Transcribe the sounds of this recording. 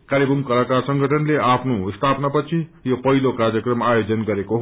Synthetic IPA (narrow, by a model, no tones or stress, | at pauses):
kaɾibʌmkʌlakasʌŋɡʱʌʈʌnleapʰnost̪ʰapnapʌt͡sʰijopʌɦilokarɾjʌkrʌmajod͡zʌnɡʌɾekoɦ